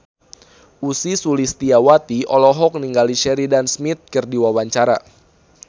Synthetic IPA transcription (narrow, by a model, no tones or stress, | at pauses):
usisulist̪iawat̪iʔɔlɔɦɔk̚niŋɡaliʃɛɾidansmit̪̚kɨrdiwawaɲt͡ʃaɾa̰